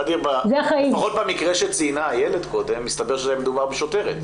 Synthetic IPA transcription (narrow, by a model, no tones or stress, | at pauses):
ad̪iʁbazeaχaipaχot̪̚bemikʁeʃet͡siːnaːjeled̪ko̞d̪e̞mːist̪abeʁʃezejamed̪ubaʁbeʃo̞te̞ʁet̪